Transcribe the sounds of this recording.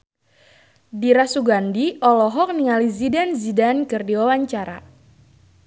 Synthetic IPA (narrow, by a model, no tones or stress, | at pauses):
diɾasuɡandiɔlɔɦɔk̚niŋalizidanzidankɨrdiwawaɲt͡ʃaɾa̰